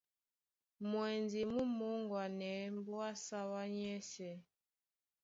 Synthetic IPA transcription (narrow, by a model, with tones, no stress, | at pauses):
mwɛ˨nzi˨mu˦mu˨˦ŋɡwa˨nɛ˨˦mbu˦wa˦sa˦wa˦ɲɛ˦sɛ˨